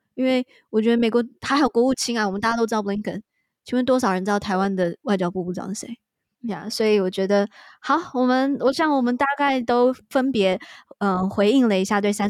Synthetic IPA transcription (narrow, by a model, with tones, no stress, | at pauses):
i˥nwe˥˩ɪ | wɔ˨˩t͡ɕɥɛ˧˥d̪ə˧me˨˩ɪkwɔ˧˥xa˧˥ɪxɑ˨˩ʊkwɔ˧˥u˥˩t͡ɕʰi˥ŋa˥˩wɔ˨˩m˦na˥˩ja˥o˥ʊ˥˧˩li˥ŋkʰə̰˥˩n | t͡ɕʰi˥wə˥nt̪wɔ˥ʂɑ˨˩ʊɻə˧˥nt͡sɑ˥˩ʊt̪ʰa˧˥ɪwa˥nd̪ə˨wa˥˩ɪt͡ɕjɑ˥ʊpu˥˩u˥˩ʈ͡ʂɑ̰˧˥ŋɕḛ˧˥˦ | ja̰˥˧˩swɔ˧˥i˧˥wɔ˨˩t͡ɕɥɛ˧˥d̪ə˧xɑ˨˩ʊwɔ˨˩mə˦nwɔ˨˩ɕjɑ˥˩ŋwɔ˨˩mə˦nt̪a˥˧ka˥˩ɪt̪o˥ʊfə˥npjɛ˧˥ə˥˩xwe˧˥ɪi˥˩ŋlə˩i˧˥ɕja˥˧t̪̬we˥˩ɪsa˥n